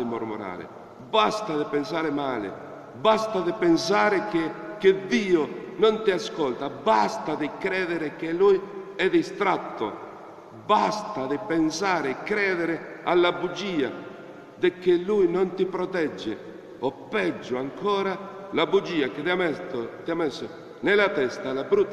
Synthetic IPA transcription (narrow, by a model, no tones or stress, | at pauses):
ɪmoɾmoɾa̰ːɾɪ̰ | bast̪aðɪpensaːɾɪmaːlɪ̰ | bast̪aðɪpens̬aːɾɪkeked̪iːonont̪iaskɔlt̪abast̪aðɪkɾɛːðeɾɪkelujɛðist̪ɾat̪ːo̰ | bast̪aðɪpɛnsaːɾɪkɾɛːðeɾɪalːabud͡ʒiːa̰ | d̪ɪkːɪlːujnont̪ɪpɾɔt̪ɛd͡ʒːḛ | ɔpːɛd͡ʒːʊaŋkɔːɾalabud͡ʒiːakɪt̪amɛot̪iamɛsːo | nelat̪ɛst̪alabɾut̪ː